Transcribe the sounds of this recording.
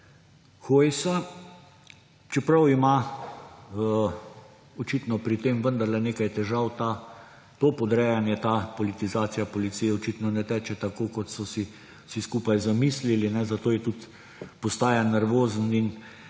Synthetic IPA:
xoːjsa | t͡ʃɛpɾawima | ɔt͡ʃit̪nɔpɾit̪eːmʋənd̪ɐɾlɛneːkajt̪ɛʒawt̪a | t̪oːpɔd̪ɾɛjanjɛt̪apɔlit̪izaːt̪sijapɔlit̪sijɛɔt͡ʃit̪nɔnɛt̪ɛːt͡ʃɛt̪akoːkɔt̪sɔsi | siskuːpajzamiːslilinɛzat̪oːjɛt̪ut̪ | pɔst̪aːjanɛɾʋoːzən̩in

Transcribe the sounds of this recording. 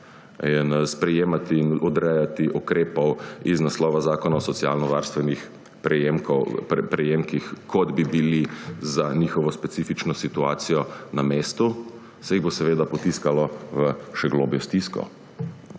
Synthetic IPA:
inspɾɛjeːmat̪iːnɔd̪ɾɛjat̪iʔukɾeːpɔwiznaslɔːʋazaːkɔnaɔsɔt̪sia̰ːlnɔʋaːɾst̪ʋɛnix | pɾɛjemkɔpɾɛjeːmkixkʰɔd̪bibilizanixɔʋɔspɛt̪siːfit͡ʃnɔsit̪uaːt̪sijɔnameːst̪u | sɛjiɣbosɛʋeːd̪apɔt̪iskalɔʋəʃɛɡlo̰ːbjɔst̪iskɔ̰

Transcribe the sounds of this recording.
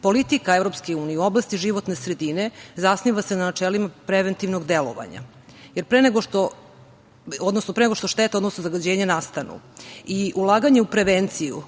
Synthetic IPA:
po̞lit̪ikaevɾo̞pskeuːnijeuo̞blˠast̪iʒiʋot̪ne̞sɾed̪ine̞zasniʋase̞nanat͡ʃelimapɾeʋent̪iʋnoɡd̪elo̰ʋa̰ɲa̰ | jeɾpɾeneɡoʃt̪o | od̪nosnopɾeneɡo̞ʃt̪o̞ʃt̪et̪ao̞d̪nosnozaɡad͡ʑeːɲanast̪anṵiʔulˠaːɡaɲeupɾeʋent̪sijṵ

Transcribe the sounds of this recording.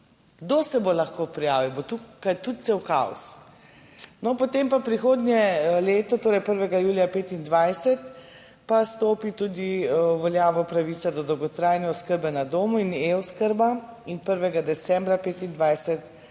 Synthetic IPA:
ɡ̥d̪osɛbolaxkoːpɾija̰ːʋiwbot̪ukajt̪ut̪̚t̪sewka̰ɔ̰s | nɔpɔt̪empapɾixoːd̪nʲjɛleːt̪ɔt̪oːɾɛjpəɾʋɛɡajuːlijapeːt̪ind̪ʋajsɛt̪ | past̪oːpit̪ud̪iʋɔljaːʋɔpɾaʋit̪sad̪ɔd̪ɔwɡɔt̪ɾajnɛɔskəɾbɛnad̪oːmuinewskəɾbainpəɾʋɛɡad̪ɛsɛ̃mbɾapeːt̪ind̪ʋajsɛt̪

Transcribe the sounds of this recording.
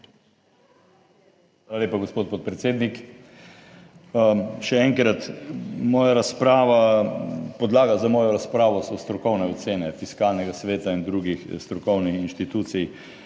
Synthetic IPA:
ʋaːlaleːpaɡospoːt̪pot̪̚pɾɛt̪seːd̪nik | ʃɛɛŋkɾat̪mɔːjaɾaspɾaːʋa | pɔd̪laːɡazamɔːjɔɾaspɾaːʋɔsɔst̪ɾɔkɔwnɛɔt̪seːnɛfiskalnɛɡasʋeːt̪aind̪ɾuɡixst̪ɾɔkɔwnixinʃt̪it̪uːt̪sij

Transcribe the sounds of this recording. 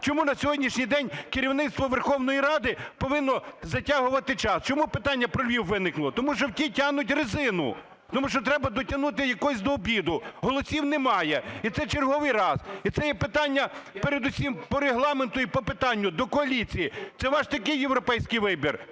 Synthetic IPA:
t͡ʃɔmunɐsʲɔɦɔdʲnʲiʃnʲijd̪ɛnʲkɪɾʲiwn̪ɪt̪st̪ʋɔʋerxɔwnɔjiɾɑd̪ɪpɔʋɪnːɔzɐtʲaɦʊʋɐt̪ɪt͡ʃɑst͡ʃɔmupɪt̪ɑnʲːɐpɾɔlʲʋʲiwːɪnɪklˠɔt̪ɔmuʃt͡ʃɔwtʲitʲaɦnʊtʲrɪzɪnʊ̰ | t̪ɔmuʃt͡ʃɔt̪ɾɛbɐd̪ɔtʲɐnut̪̬ɪjɐkɔsʲd̪ɔːbʲid̪ʊɦɔlˠɔsʲiwnemɑjɛit̪sɛt͡ʃerɦɔʋɪjrɑsit̪sɛjɛpɪt̪ɑnʲːɐpeɾed̪ʊsʲimpɔɾeɦlˠɑment̪ʊipɔpɪt̪ɑnʲːʊd̪ɔkɔɐlʲit͡sʲijit̪sɛʋɑʃt̪ɐkɪjːewɾɔpɛjsʲkɪjʋɪbʲir

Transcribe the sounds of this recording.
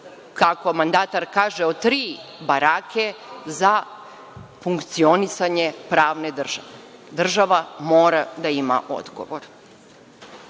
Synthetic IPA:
kako̞mand̪at̪aɾkaːʒeot̪ɾiːbaɾakʰeza | fuŋkt̪sio̞nisaɲepɾaːʋned̪r̩ʒ̥a̰ʋe | d̪r̩ʒaʋamoːɾad̪aima̰ʔo̰d̪ɡo̰ʋoɾ

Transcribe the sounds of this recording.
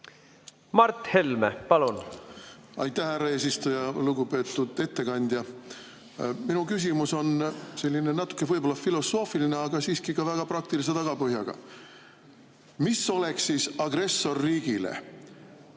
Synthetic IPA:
mɑɾt̪he̞lmepɑlun | ɑ̰jt̪ːˑæhhærːɑe̞ːs̬ist̪ujɑluɡupe̞ːt̪ːˑud̪̥e̞t̪ːe̞kɑnʲd̪̥jɑ | minukys̬imuso̞nse̞lʲːine̞nɑt̪ːˑu̥kˑːe̞vɤjbo̞lːɑfilo̞sːo̞ːfiline̞ɑɡ̥ɑsiːskikɑvæɡ̥ɑpɾɑk̚t̪ilis̬e̞t̪ɑɡ̥ɑpɤɦjɑɡ̥ɑ̰ | miso̞le̞ksːiːsɑɡ̥re̞sːo̞rːiːɡ̥ilḛ

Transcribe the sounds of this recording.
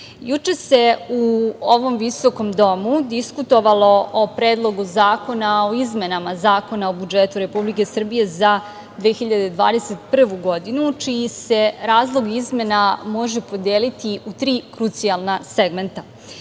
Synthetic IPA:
jut͡ʃese̞uoʋo̞mʋiso̞ko̞md̪o̞mud̪iskut̪o̞ʋalˠo̞opɾeːd̪lˠo̞ɡuzaːko̞naoizme̞namazaːko̞naobud͡ʒet̪uɾe̞publike̞sr̩bije̞za | d̪ʋeːxiʎad̪ed̪ʋa̰ːd̪e̞set̪pr̩ʋuɡo̞d̪inut͡ʃijise̞ɾaːzlˠo̞ɡizme̞namo̞ʒe̞po̞d̪eːlit̪iut̪ɾiːkɾut̪sialˠnaseɡme̞nt̪a

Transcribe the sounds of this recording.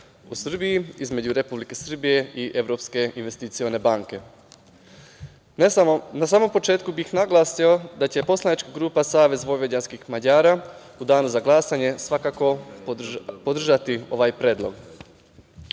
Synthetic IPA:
usr̩bijiizme̞d͡ʑuɾe̞publike̞sr̩bije̞iʔe̞ʋɾo̞pske̞inʋe̞st̪it̪sione̞baŋke̞ | nasaːmo̞mpo̞t͡ʃe̞ːt̪kubixnaɡlˠaːsio̞d̪at͡ɕe̞po̞slˠanit͡ʃkaɡɾuːpasaːʋe̞zʋo̞ʋje̞danskixmaɲaːɾa | ud̪aːnuzaɡlˠasaɲe̞sʋakako̞ | pod̪r̩ʒat̪io̞̰ʋajpɾʲe̞ːd̪lo̞̰ɡ

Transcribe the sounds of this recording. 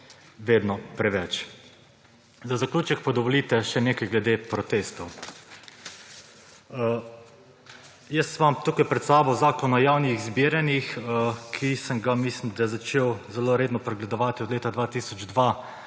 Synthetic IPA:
ʋeːd̪nɔpɾɛʋɛt͡ʃ | zazaklʲuːt͡ʃɛk̚pad̪ɔʋɔliːt̪ɛʃɛneːkajɡlɛd̪epɾɔt̪eːst̪ɔw | jəst̪ːmamt̪ukajpɾɛt̪saːbɔzaːkɔnɔjaːwniɣzbiːɾanixəkʰisəmɡamislimd̪ajɛzat͡ʃeːwzɛloɾeːd̪nɔpɾɛɡlɛd̪ɔʋaːt̪iɔd̪leːt̪ad̪ʋaːt̪iːsɔd͡ʒd̪ʋa

